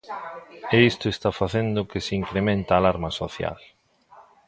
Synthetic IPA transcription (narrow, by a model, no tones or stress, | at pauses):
eist̪oest̪afaθend̪ʊkɪseiŋkɾemẽnt̪aːlaɾmɐsoθja̰l